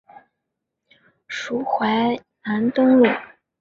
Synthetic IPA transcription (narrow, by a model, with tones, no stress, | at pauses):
ʂu˧˥xwa˧˥ɪ | na˧˥nt̪ʊ˥ŋlu˥˩˦